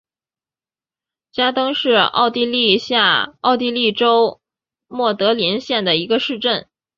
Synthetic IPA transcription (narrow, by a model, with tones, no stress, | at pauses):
t͡ɕja˥t̪ɤ˥ŋʂɻ̩˥˧ɑ̰˥˧ʊt̪i˥˧li˥˧ɕja˥˧ɑ˥˧ʊt̪̬i˥˧li˥˩ʈ͡ʂo˥ʊ | mwɔ˥˩t̪ɤ˧˥li˧˥nɕjɛ˥˩nd̪ə˩i˧˥ɡə˧ʂɻ̩˥˧ʈ͡ʂə˥˩n